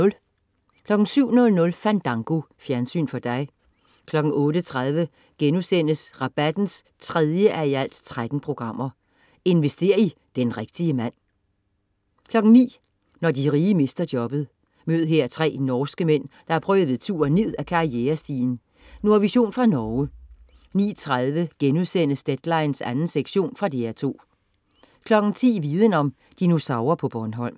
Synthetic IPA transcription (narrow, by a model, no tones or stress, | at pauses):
kʰlɒ̽ɡ̥ŋ̩syʊ̰nɔ̽lnɔ̽lfænd̥ɑ̈ŋɡ̥o̝fjæɐnsy̰ːnfɒ̽d̥ɑ̈ɪ | kʰlɒ̽ɡ̥ŋ̩ɔ̽ːɾət͡sʰʁaðˠʋə | ɡ̥enusen̰əsʁɑ̈b̥æd̥n̩s | t͡sʰʁɛð̞ˠjəʔæɐiæl̰d̥t͡sʰʁad̥n̩pʰʁo̝ɡ̥ʁɑ̈m̰ɐ | e̝nʋesd̥e̝̰ːɐid̥enʁɛɡ̥̚d̥iəmæn̰ | kʰlɒ̽ɡ̥ŋ̩nḭː | nɒd̥iʁiːəme̝sd̥ɐd̥jɒ̽b̥ð̞̩ˠ | møð̩ˠɦeɐ̰t͡sʰʁɛ̰ːnɒːsɡ̥əmen̰d̥ɑ̈æɐpʰʁœːðˠʋe̝ðˠt͡sʰṵːɐne̝ð̰ˠækʰɑ̈ieːɐsd̥iːn | nuɐʋiɕo̝̰ːnfʁɑ̈nɒʊ | nḭːt͡sʰʁaðˠʋəɡ̥enuðˠsen̰əsd̥ed̥lɑ̈ɪn̩sænn̩seɡ̥ɕo̝̰ːnfʁɑ̈d̥eæɐt͡sʰo̝̰ː | kʰlɒ̽ɡ̥n̩t͡sʰḭːʋiːð̞ˠənɒ̽m | d̥inusɑ̈ʊɐpʰɒ̽b̥ɒnɦɒ̽l̰m